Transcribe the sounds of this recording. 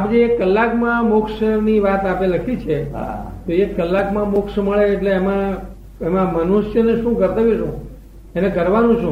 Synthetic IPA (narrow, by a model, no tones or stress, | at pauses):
apd͡ʒeːkːəlːakmãmʊkʃəniʋat̪apeləkʰit͡ʃʰea̰t̪oekːəlːakmãmʊkʂməɭeːʈleːmã | emãmənuʃjəneʃũkəɾt̪əʋiʃũ | enẽkəɾʋanũt͡ʃʰũ